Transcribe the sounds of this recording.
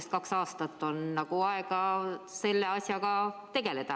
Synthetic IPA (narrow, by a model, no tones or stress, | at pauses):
st̪̚kɑksɑːst̪ɑt̪ːo̞nnɑɡ̥uɑeɡɑse̞lːe̞ɑsʲjɑkɑt̪e̞ɡ̥e̞le̞t̪ɑ